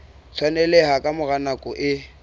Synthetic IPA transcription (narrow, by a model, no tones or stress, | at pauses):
t͡sʰwanɛlɛhakʼamʊɣanakʼɔʔɪ